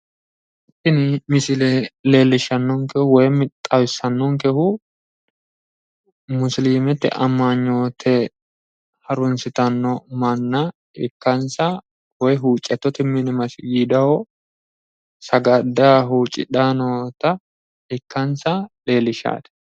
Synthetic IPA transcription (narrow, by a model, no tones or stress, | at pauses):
ɪt̪ːɪnɪmɪsɪlɛle̞ːlːɪʃɐnːɔŋkɛhʊwɔjmɪt̪ʼːɐwɪsːɐnːɔŋkɛhʊ | mʊsliːmɛt̪ːɛ̰ʔɐmːaɲːoːt̪ʰɛ | hɐɾʊnsɪt̪ɐnːɔmɐnːɐ | ɪkːɐnsɐ | wɔjɦuːt͡ʃʼːɛt̪ːɔt̪ɪmːɪnɪmɐsɪɡiːd̪ɐhɔ | sɐɡɐd̪ːaːɦuːt͡ʃʼɪ̰ᶑaːnɔt̪ɐ | ɪkːɐnsɐle̞ːlːɪʃa̰ːt̪ɛ̥